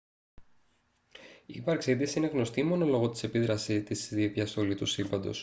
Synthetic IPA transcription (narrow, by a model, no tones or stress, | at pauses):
ivɐɾksiðisieneɣno̞st̪imo̞no̞lo̞ɣo̞t̪i̥se̞piðɾɐsit̪isðivʝɐst̪o̞lit̪usilvɐnd̪o̞̰s